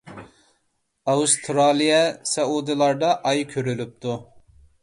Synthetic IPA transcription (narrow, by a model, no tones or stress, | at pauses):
ɑust̪ʰɾɑlˠijɛsɛud̪ɨlˠɑɾd̪ɑʔɑjkʲʰøɾylyp̚t̪ʰu